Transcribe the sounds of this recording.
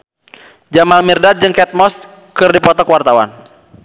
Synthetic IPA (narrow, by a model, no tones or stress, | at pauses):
d͡ʒamalmirdad̚d͡ʒɨŋkɛt̪̚mɔs | kɨrdipɔt̪ɔkwart̪awa̰n